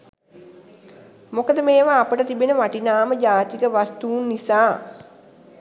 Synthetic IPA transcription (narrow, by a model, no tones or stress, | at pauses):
mokəd̪əmeːʋaːpəʈət̪ibenəʋaʈinaːməd͡ʒaːt̪ikəʋast̪uːnːisaː